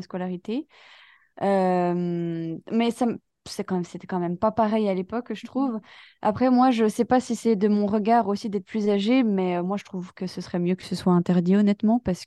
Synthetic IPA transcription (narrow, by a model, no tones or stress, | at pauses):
skɔlaʁit̪e | øm | mɛsam | sɛkɑ̃mɛmset̪ɛkɑ̃mɛmpapaʁɛjalepɔkʒət̪χuv | a̰pχɛmwaʒəsɛpasisɛd̪əmɔ̃ʁəɡaʁosid̪ɛt̪χəplyzaʒemɛømwaʒət̪χuvkəsəsəχɛmjøkə̥səswaɛ̃t̪ɛʁd̪iɔnɛt̪mɑ̃paʁsə̥